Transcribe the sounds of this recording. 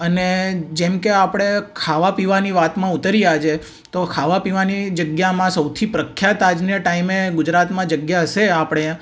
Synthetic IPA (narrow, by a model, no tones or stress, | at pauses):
əned͡ʒemkeapɽ̃ekʰaʋapiʋaniʋat̪mãut̪əɾijad͡ʒe | t̪okʰaʋapiʋanid͡ʒəɡjamãsəwt̪ʰipɾəkʰjat̪ad͡ʒnəʈaimeɡʊd͡ʒɾat̪mãd͡ʒəɡjaɦəʃeapɽ̃e